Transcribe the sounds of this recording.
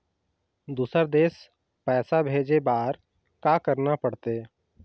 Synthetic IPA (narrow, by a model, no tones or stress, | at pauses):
d̪uːsəɾd̪eːs | pɛːsabʱeːd͡ʒebaːɾ | kakəɾnapəɽt̪e